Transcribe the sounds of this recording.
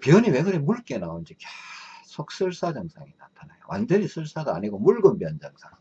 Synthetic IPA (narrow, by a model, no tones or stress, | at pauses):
pjuɲiwe̞ɡɯɾemuɭk͈e̞naond͡ʑikasʰok̚s͈ɯɭs͈ad͡ʑʌŋsʰaŋinatʰanajo̰wʔa̰nd͡ʑʌɲisʰɯɭs͈aɡaːɲiɡomuɭɡɯmbjʌnd͡ʑaŋsʰaŋ